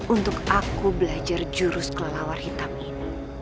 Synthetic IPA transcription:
unt̪ʊkakubəlad͡ʒard͡ʒuɾʊskəlalawarhit̪amini

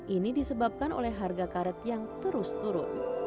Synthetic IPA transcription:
ʔinidisəbap̚kano̰lɛɦɦːarɡakaɾət̪jaŋt̪əɾʊst̪uɾʊ̰n

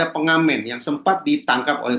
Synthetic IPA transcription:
apəŋamɛnjaŋsəmpat̪̚dit̪aŋkap̚o̰lɛ

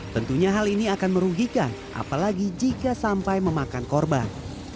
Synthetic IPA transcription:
t̪ənt̪uɲaɦaliniakanməɾuɡikan | ʔa̰palaɡid͡ʒikasampajməmakankɔrba̰n

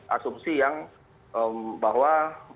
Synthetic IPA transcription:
ʔa̰sumsijaŋ | ʔəmbaɦwa

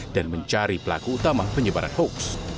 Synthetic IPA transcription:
d̥anməɲt͡ʃaɾipəla̰kuːt̪amapəɲəbaɾa̰nhoks

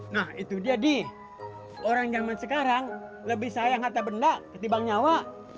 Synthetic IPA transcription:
nahit̪udiadi | oɾaŋd͡ʒamansəkaɾaŋ | ləbɪhsajaŋɦat̪abəndakət̪ibaŋɲawa

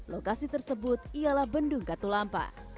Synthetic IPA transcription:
lokasit̪ərsəbʊt̪̚ialahbəndʊŋkat̪ulampa̰

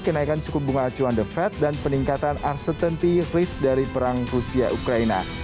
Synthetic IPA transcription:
kənaikansəkubuŋanat͡ʃuandəfɛt̪̚danpəniŋkat̪anarsət̪ənt̪irɪsdaɾipəɾaŋrusia̰ʔukɾaina̰

